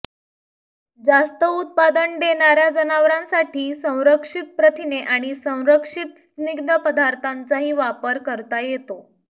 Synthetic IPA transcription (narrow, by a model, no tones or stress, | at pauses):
d͡zast̪əut̪̚pad̪əɳɖ̪eɳaɾjad͡zənaʋɾãnsaʈʰiːsə̃w̃ɾəkʂit̪̚pɾət̪ʰineʔaɽ̃isə̃w̃ɾəkʂit̪sniɡd̪əpəd̪aɾt̪ant͡saɦiːʋapəɾkəɾt̪ajet̪o